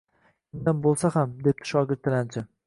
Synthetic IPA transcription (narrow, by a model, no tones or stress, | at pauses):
ɪnd̪anbolˠsahamd̪e̞p̚t̪ʰɪ̥ʃɒɡʲɪɾt̪ʰːɪlant͡ʃʰɪ